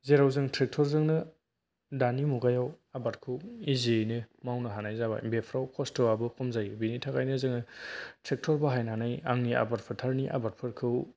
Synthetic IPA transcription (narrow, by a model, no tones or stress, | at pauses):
zeɾawzɯŋtɾek̚tʰɔɾzɯŋnɯ | danimuɡajaw | abat̚kʰɯwizinɯmawnɯɦanajzaba̰imbepʰɾawkʰɔstʰɯabɯkʰɔmzajbinitʰaɡajnɯzɯŋɯtɾek̚tʰɔɾbaɦajnɦanaja̰ŋnia̰bat̚pʰɯtʰaɾniʔa̰bat̚pʰɯɾkʰɯw